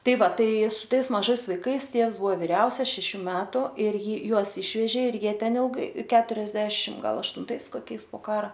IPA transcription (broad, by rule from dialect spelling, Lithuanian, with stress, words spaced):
ˈtɐɪ ˈʋɐ ˈtɐɪ sʊ ˈtɐɪs mɐˈʒɐɪs ʋɐɪˈkɐɪs ˈtʲiɛws ˈbʊɐ ʋʲɪˈrʲɛʊsʲɛs ʃʲɛˈʃʲuː ˈmʲæːtʊ ɪr ˈjɪ ˈjuɔs ˈɪʃʲʋʲɛʒʲeː ɪr ˈjiɛ ˈtʲɛn ɪlˠˈɡɐɪ kʲɛtʊrʲɛzʲˈdʲæːʃʲɪm ˈɡɐlˠ ɐʃtʊnˈtɐɪs koːˈkʲɛɪs poː ˈkɑːrɐ